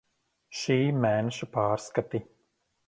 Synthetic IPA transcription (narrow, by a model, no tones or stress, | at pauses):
ʃiːmæːnɛʃapaːɾskat̪i